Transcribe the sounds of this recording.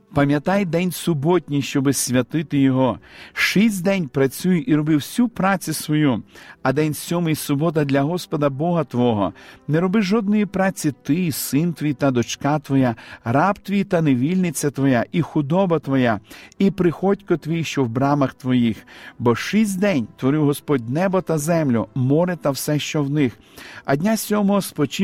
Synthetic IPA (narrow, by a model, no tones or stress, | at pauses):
pɐmʲjɐt̪ɑjd̪ɛnʲsʊbɔtʲnʲijʃt͡ʃɔbɪsʲʋʲɐt̪ɪt̪ɪjɔɦɔʃisʲtʲd̪ɛnʲpɾɐt͡sʲujʊʔiɾɔbɪwsʲupɾɑt͡sʲʊsʋɔjuɐd̪ɛnʲsʲɔmɪjsʊbɔt̪̬ɐd̪lʲɐɦɔspɔd̪ɐbɔɦɐt̪ʋɔɦɔ̰nɛɾɔbɪʒɔd̪̚nɔjipɾɑt͡sʲit̪ɪsɪnt̪ʋʲijt̪ɐd̪ɔt͡ʃkɑt̪ʋɔjarɑpt̪ʋʲijt̪ɐneʋʲilʲnɪt͡sʲːɐt̪ʋɔjaʔixʊd̪ɔbɐt̪ʋɔjaipɾɪxɔtʲkɔt̪ʋʲijʃt͡ʃɔwbɾɑmɐxt̪ʋɔjixbɔʃis̬ʲtʲd̪ɛnʲt̪ʋɔɾɪwɦɔspɔd̚ʲnɛbɔt̪ɐzɛmlʲʊmɔɾɪt̪ɐwsɛʃt͡ʃɔwnɪx | ɐ̰dʲnʲasʲɔmɔɦɔspɔt͡ʃi